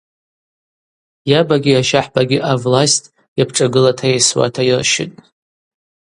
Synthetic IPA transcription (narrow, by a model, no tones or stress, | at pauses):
jabaɡʲijaʃaħbaɡʲiʔavlastʼ | japʰʈ͡ʂʼaɡɨlatʰajejswa̰tʰajɪrʃɪ̰tʼ